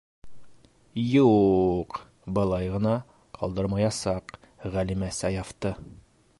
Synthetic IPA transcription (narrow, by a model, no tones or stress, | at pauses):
juq | bɤ̆lˠɑjʁɤ̆nɑ | qʰɑlˠd̪ɤɾmɑjɑsɑq | ʁælimæsæjɑft̪ɤ